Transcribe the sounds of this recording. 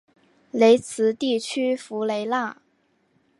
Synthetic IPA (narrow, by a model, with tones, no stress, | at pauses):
le˧˥ɪt͡sʰɹ̩˧˥t̪i˥˩t͡ɕʰy˥fu˧˥le˧˥ɪla˥˩